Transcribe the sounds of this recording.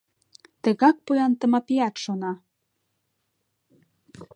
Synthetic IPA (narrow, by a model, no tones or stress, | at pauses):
t̪ə̆ɣɑk̚pujɑnt̪ə̆mɑpiɑt̪ʃonɑ